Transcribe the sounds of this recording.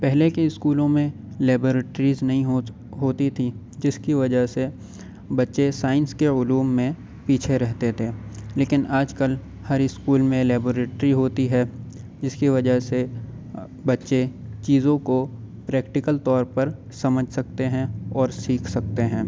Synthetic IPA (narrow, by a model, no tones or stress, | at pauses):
pɛɦlekeɪskuːlõmẽ | lɛːboːɾeːʈɾiːznɐɦĩɦo | ɦoːt̪it̪ʰi | d͡ʒɪskiʋɐd͡ʒəɦse | bɐtːʃesaːɪ̃nskeʊluːmːẽ | piːt͡ʃʰeɾɛɦt̪et̪ʰeːleːkɪnʔaːd͡ʒkəl | hɐɾɪskuːlmẽlɛːboːɾeːʈɾiɦoːt̪iɦɛ | d͡ʒɪskiʋɐd͡ʒəɦse | bɐtːʃet͡ʃiːzõko | pɾɛːkʈɪkəlt̪ɔːɾpɐɾ | sɐməd͡ʒʱsɐk̚t̪eɦɛ̃ɔːɾsiːkʰsɐk̚t̪eɦɛ̃ː